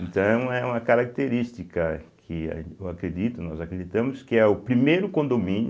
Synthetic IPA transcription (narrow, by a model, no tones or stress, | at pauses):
ẽnt̪ɐ̃w̃ɛũɛũmɐkaɾak̚t̪eɾist̪ikɐkʰɪ̰ewakɾed̪it̪ʊnɔzakɾed̪it̪ɐ̃mʊskɪɛʊpɾimejɾʊkõnd̪omĩn